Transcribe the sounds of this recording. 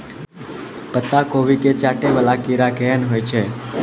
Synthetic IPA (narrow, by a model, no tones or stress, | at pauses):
pət̪ːakoʋiket͡ʃaʈeʋəlakiɾakɛənɦojt͡ʃʰe